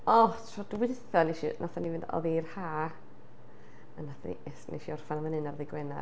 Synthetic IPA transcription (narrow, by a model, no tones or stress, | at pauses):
ɔtʰrɔd̥wɪθɔneʃḭnʔaθanivɨndɔ̰ðiːrhaː | anaθa̰nḭɛsnḛʃiɔrfanamənɨnarðɪɡwɛna̰